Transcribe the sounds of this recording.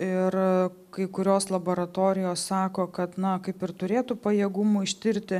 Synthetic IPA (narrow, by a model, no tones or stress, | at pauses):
ɪr | kɐɪkʊɾʲoːslˠɐboːɾɐt̪oːɾʲɪjoːssɑːkoːkɐt̪nɐkɐɪpɪrt̪ʊɾʲeːt̪upɐjeːɡʊmʊɪʃʲt̪ʲɪɾʲt̪ʲɪ